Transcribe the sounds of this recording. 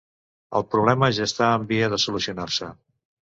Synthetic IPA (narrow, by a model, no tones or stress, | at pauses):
ə̰lˠpɾuβlɛməʒaːst̪aəmbiəðəsulusiunarsə